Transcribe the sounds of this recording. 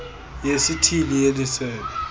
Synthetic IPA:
jesitʰilijelisɛːlɛ

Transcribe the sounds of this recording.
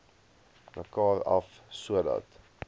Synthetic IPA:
məkɑːrɐf | suədɐ̰t

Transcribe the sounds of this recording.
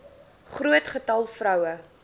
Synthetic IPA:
χruətχətɐlˠfrœwə

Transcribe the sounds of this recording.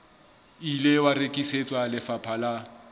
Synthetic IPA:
ilewarekʼiset͡sʼwalɪfapʰala

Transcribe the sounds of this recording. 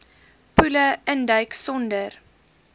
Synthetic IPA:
pʉləəndəjksɔndər

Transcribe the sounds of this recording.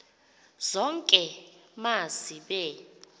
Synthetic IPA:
z̥ɔŋkʼɛmaziɓɛ

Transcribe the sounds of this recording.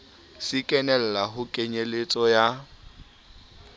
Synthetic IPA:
sɪkʼɛnɛl̩laɦʊkʼeɲelet͡sʼɔja

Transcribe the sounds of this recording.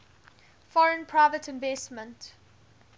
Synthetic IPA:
fɔɹə̃npʰɹaɪvətʰɪ̃nvɛsmə̃nt

